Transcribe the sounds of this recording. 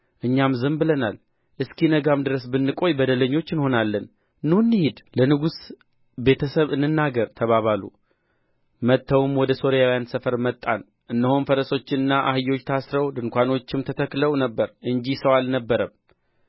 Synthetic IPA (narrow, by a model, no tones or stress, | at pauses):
ʔɨɲːamzɨmbɨlənal | ʔɨskinəɡamd̪ɨɾəsbɨnːɨkʼo̞jbəd̪ələɲːo̞t͡ʃːɨnho̞nalːən | nːɨunːɨhed̪lənɨɡus | be̞t̪ʰəsəβɨnːɨnːaɡəɾt̪ʰəβaβalṵ | mət̪ʰːəwɨmwɔd̪əso̞ɾijawijansəfəɾmət̪ʼːan | ʔɨnːəhonfəɾəso̞t͡ʃːɪnɨnːaʔa̰hɨjo̞t͡ʃːt̪ʰasɾəwd̪ɨŋkʷano̞t͡ʃːɪmt̪ʰət̪ʰəkləwnəbːəɾʔɨɲd͡ʒisəwalnəbːəɾəm